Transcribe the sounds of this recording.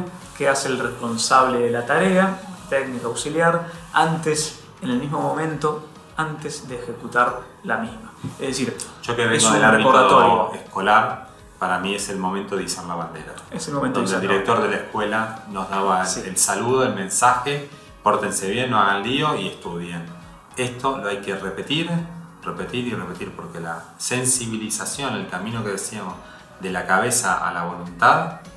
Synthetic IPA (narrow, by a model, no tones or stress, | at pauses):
keaseːlrehpo̞nsaβleðelat̪aɾeat̪eɡnikaːwsiljaɾant̪es | enelmiɦmo̞mõmẽ̞nt̪o | ant̪ezðeːxekut̪aɾ | lamizmaḛðes̬iɾʒ̥okeβeesɡoelareikoðat̪oɾjoehko̞laɾ | paɾamiese̞lmo̞mẽnt̪oðisaɾlaβand̪ḛɾa̰eselmomẽnt̪neald̪iɾek̚t̪o̞ɾðelaehkwelano̞zðaβaelsaluðoelmẽ̞nsaxe | poɾt̪ense̞βje̞nːoaɣanlioieht̪uðjen | e̞st̪o̞loajkerepe̞t̪iɾrepe̞t̪iɾirepe̞t̪iɾpo̞ɾkela̰ | se̞nsiβilisasjo̞nelkamĩno̞keðesiamoz | ðelakaβe̞saa̰laβ̞o̞lunt̪að